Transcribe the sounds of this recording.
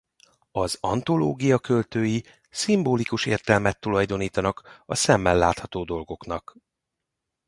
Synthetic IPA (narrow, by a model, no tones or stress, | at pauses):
ɒzɒ̰nt̪o̞lo̰ːɡijɒkø̞lt̪øːji | simboːlikuʃḛːrt̪ɛlmɛt̪ːulɒjd̪o̞niːt̪ɒnɒkɒsɛmːɛlːaːt̪hɒt̪oːd̪o̞lɡo̞knɒk